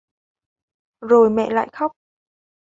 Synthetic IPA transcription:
zo˨˩jmɛ̰˧˨la̰ː˧˨jxɔ˦˥wk͡p̚

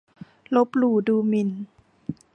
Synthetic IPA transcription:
lo˧˦˥p̚luː˨˩duː˧˩mi˧˩˨n

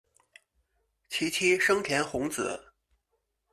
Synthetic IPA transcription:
t͡ɕʰi˧˥t͡ɕʰi˥ʂɤ˥ŋt̪ʰjɛ˧˥nxʊ˧˥ŋt͡sɹ̩̰˨˩˦

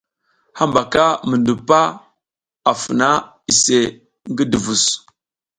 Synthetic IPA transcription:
ha˦mba˨ka˦mə˨ndu˨pa˦ | a˨fə˨na˦ | i˨se˨ | ŋɡə˦də˨vu˨s

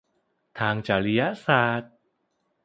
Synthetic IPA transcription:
t̪ʰaː˧ŋt͡ɕaː˨˩ɾi˧ja˦˥saː˨˩t̪̚

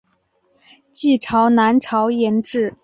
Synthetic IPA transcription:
t͡ɕi˥˩ʈ͡ʂʰɑ˧˥ʊna˧˥nʈ͡ʂʰɑ˧˥ʊjɛ˧˥nʈ͡ʂɻ̩˥˩

